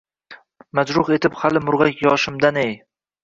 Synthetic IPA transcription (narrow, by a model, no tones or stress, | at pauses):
mad͡ʒɾʊχe̞t̪ʰɪphalɪmʊɾʁakʲjɒʃɪmd̪anej